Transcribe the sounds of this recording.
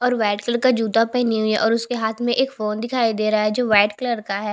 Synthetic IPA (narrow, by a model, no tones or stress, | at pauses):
ɔːɾʋaːɖkləɾkad͡ʒuːd̪apɛɦniɦʊiɦɛʔɔːɾʊskeɦaːt̪ʰmẽʔeːkfoːnd̪ɪkʰaːid̪eːɾaaɦɛd͡ʒoːʋaːɖkləɾkaɦɛː